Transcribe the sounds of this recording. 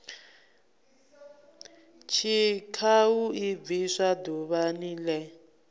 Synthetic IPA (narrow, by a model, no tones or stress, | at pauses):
t͡ʃʰikʰawuib̪viʂaduβanilɛ